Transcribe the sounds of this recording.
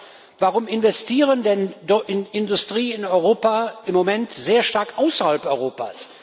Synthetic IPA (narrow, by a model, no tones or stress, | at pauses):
vaʁʊmɪnvɛstʰiːʁəndɛndɔʔɪnɪndʊstʁ̥iːɪnɔʏʁoːpaʔɪmːomɛntz̥eːɐʃtaɐkʔaʊsɐhalpɔʏʁoːpa̰s